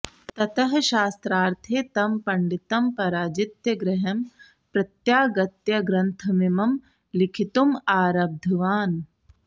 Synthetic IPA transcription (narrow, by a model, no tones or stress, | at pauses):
t̪ɐt̪ɐɦɐʃaːst̪ɾaːɾt̪ʰeːt̪ɐmpɐɳɖit̪ɐmpɐɾaːd͡ʒit̪jɐɡɾɐɦɐm | pɾɐt̪jaːɡɐt̪jɐɡɾɐnt̪ʰɐmimɐm | likʰit̪umaːɾɐb̚d̪ʱɐʋaːn